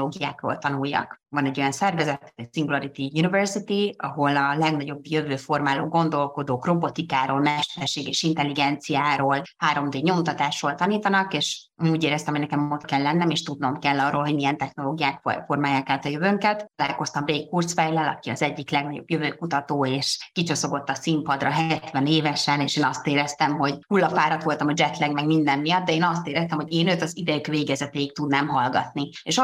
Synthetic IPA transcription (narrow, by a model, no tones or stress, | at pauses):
oːɡijaːkro̰lt̪ɒnujːɒ̰kvɒnɛɟːo̞jɒnsɛrvɛzɛt̪ːat̪ɛcsiŋɡulɒɾit̪ijunivɛrsit̪iɒɦo̞lɒlɛɡnɒɟo̞bjøvøːfo̞rmaːlo̰ːɡo̞nd̪o̞lko̞d̪oːkro̞bo̞t̪ikaːɾoːlmɛʃt̪ɛrʃeːɡɛʃint̪ɛlːiɡɛnt̪sijaːɾoːlhaːɾo̞md̪eːɲo̞mt̪ɒt̪aːʃroːlt̪ɒniːt̪ɒnɒkeːʃ | uːɟeːɾɛst̪ɛmɦoɟnɛkɛmot̪kɛlːɛnːɛmeːʃt̪ud̪no̞mkɛlːɒrʔolɦoɟmijɛnt̪ɛxno̞loːɡijaːkfo̞rmaːjaːkaːt̪ɒjøvøŋkɛt̪t̪ːɒlaːlko̞st̪ɒmreːkːurt̪sfɛjlɛlɒ̰kiɒ̰zɛɟːiklɛɡnɒɟo̞̰bjøvøːkut̪ɒt̪oːeːʃkit͡ʃo̞so̞ɡo̞t̪ːɒsimpɒd̪rɒɦɛt̪vɛneːvɛʃɛneːʃeːnɒst̪eːɾɛst̪ɛmɦo̞ɟhulːɒfaːɾɒt̪ʋo̞lt̪ɒmɒd͡ʒɛt̪lɛɡmɛɡmind̪ɛmːijɒd̪d̪ɛeːnɒst̪eːɾɛst̪ɛmho̞ɟeːnøːt̪ɒzid̪ɛjykveːɡɛzɛt̪eːik̚t̪ud̪naːmɦɒlɡɒ̰t̪nieːʃ